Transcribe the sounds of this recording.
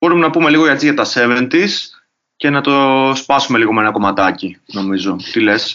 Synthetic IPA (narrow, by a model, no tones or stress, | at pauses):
b̥o̞ɾumenɐpume̞liɣo̞et͡siʝɐt̪ɐse̞vent̪is | ce̞nɐt̪o̞spɐsume̞liɣo̞menɐko̞mɐt̪ɐcino̞mizo̞t̪ile̞s